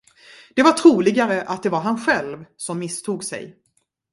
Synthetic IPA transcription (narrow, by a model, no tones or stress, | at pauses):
d̪̥ɛvaʈʰɾuːlɪɡaɾəʔat̪̚d̪ɛvaɾɦanɧɛlvsɔmːɪst̪ʰuːɡsɛ̰j